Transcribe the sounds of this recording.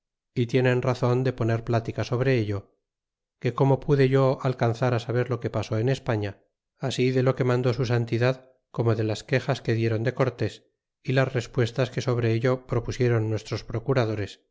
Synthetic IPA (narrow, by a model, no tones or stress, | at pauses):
it̪je̞nẽ̞nraθo̞nd̪e̞po̞ne̞ɾplat̪ikaso̞β̞ɾe̞eʎo̞ | ke̞ko̞mo̞puðe̞ʝo̞alkanθaɾasaβ̞e̞ɾlo̞ke̞paso̞ene̞spaɲa | asiðe̞lo̞ke̞mãnd̪o̞susant̪iðað | ko̞mo̞ðe̞laske̞xaske̞ðje̞ɾo̞nd̪e̞ko̞ɾt̪e̞s | ilasre̞spwe̞st̪aske̞so̞βɾeeʎo̞pɾo̞pusje̞ɾo̞nːwe̞st̪ɾo̞spɾo̞kuɾað̞o̞ɾe̞s